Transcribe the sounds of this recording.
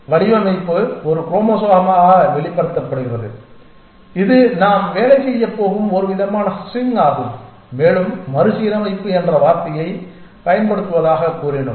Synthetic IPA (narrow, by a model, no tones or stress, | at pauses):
ʋɐɽɪʋɐmɐɪpːɯɔɾɯkɾoːmɐsaːɣɐmaːɣɐʋɛɭɪpːɐɽɯt̪ːɐpːɐɽɯʋɐðɯ̰ | ɪðɯnaːmʋeːɭɐɪsɛjːɐpːoːɣɯmɔɾɯʋɪðɐmaːnɐɐsɪŋɡaːɣɯm | meːɭɯmːɐɾɯsiːɾɐmɐɪpːɯɛndrɐʋaːɾt̪ɐjɐɪ | pɐjɐnpɐɽɯt̪ːɯʋɐðaːɣɐkuːɾɪɳɯ̰m